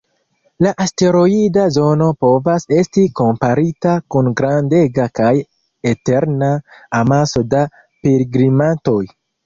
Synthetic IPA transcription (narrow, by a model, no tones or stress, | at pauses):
laʔaste̞ɾo̞idazo̞no̞po̞vase̞stiko̞mpaɾitakunɡɾande̞ɡakaj | ete̞ɾnaːmaso̞da | pelɡɾimanto̞j